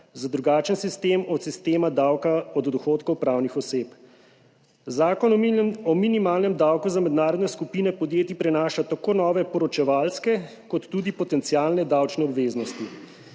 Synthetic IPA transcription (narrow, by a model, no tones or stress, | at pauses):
zad̪ɾuɡaːt͡ʃənsist̪eːmɔt̪sist̪eːmad̪awkaɔd̪d̪ɔxoːt̪kɔwpɾaːwnixɔseːp | zaːkɔnɔminimaːlnɛmd̪awkuzamɛd̪naːɾɔd̪nɛskupinɛpɔd̪jeːt̪ipɾɛnaːʃat̪akoːnɔːʋɛpɔɾɔt͡ʃɛʋalskɛ | kɔt̪ːud̪ipɔt̪ɛnt̪siaːlnɛd̪awt͡ʃnɛɔbʋeːznɔst̪i